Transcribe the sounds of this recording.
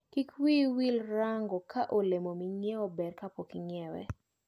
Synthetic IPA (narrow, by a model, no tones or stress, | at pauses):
kikwiwilɾaŋɡɔkʰaʔolemomiŋjɛɔbɛɾkapokiŋjɛwɛ̰